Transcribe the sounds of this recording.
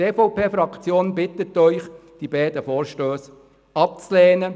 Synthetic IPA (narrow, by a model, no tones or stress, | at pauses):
eːfɔʊpʰeːfɾɑkt͡sjoːnbɪt̪ətːœʏχd̥ibæːd̥̪əfoːɾʃtøːs | ɑp̚t͡slɛːnə